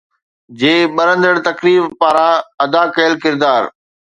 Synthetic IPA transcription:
d͡ʑeːɓɐɾə̃nd̪əɽt̪ɐkɾiːfpaːɾãɐd̪aːkɐəlkɪɾd̪aːɾ

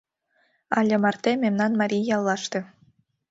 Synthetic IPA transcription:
ɑlʲemɑrt̪ememnɑnmɑɾʲijjɑlˠːɑʃt̪ĕ

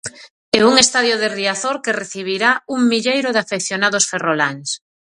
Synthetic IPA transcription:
ɛuŋest̪aðjoðeriaθoɾkereθiβ̞iɾauŋmiʎejɾʊðafekθjonaðosferola̰ŋs

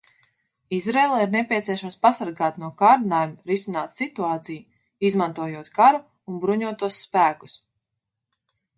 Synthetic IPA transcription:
izɾɛːlˠaiɾnɛpʲiɛt̪siɛʃamspasaɾɡaːt̪nuɔkaːɾnaːjumɾisinaːt̪sit̪uaːt̪siju | izmãnt̪uɔjuɔt̪kaɾuː | nbɾuɲuɔt̪uɔsːpæːku̥s

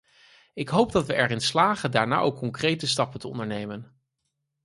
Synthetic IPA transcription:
ɪkɦowp̚dɑtʋəʔɛɹɾɪnslaːχəndaːɹna̰ːʔowkːɔŋkrejtəstɑpəntəɔ̰ndəɹnejmən

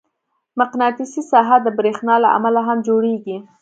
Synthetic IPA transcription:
maqnɑt̪isisɑɦad̪əbɾexnɑla̰ʔa̰malaɦamd͡ʒoɽeɡi

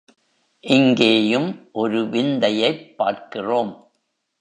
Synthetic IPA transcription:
ʔɪŋɡeːjɯmʔɔɾɯʋɪnd̪ɐjɐɪpːaːrkɪroːm

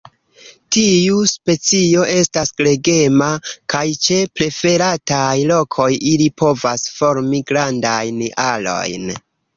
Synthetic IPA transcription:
tiuspe̞t͡sio̞ʔe̞stasɡle̞ɡe̞makajt͡ʃe̞pɾe̞fe̞ɾatajlo̞kʰo̞jilipʰo̞vasfo̞ɾmiɡɾandajnʔalo̞̰jn

